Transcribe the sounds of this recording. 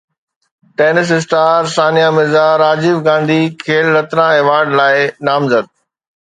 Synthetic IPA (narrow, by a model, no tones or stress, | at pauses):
ʈeːnɪs̬ɪs̬ʈaːɾsaːnijamɪzaɾaːd͡ʑiːfɡãːnd̪ʱikʰeːlɾɐt̪ɾãeːʋaːɾɖlaːɪnaːmzəd̪̚